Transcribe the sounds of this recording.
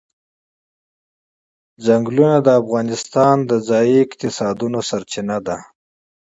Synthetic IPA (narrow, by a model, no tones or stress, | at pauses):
zaŋɡlunad̪əafɣɑnɪst̪ɑnd̪əzɑjiɪqt̪ɪsɑd̪unosaɾt͡ʃɪnad̪a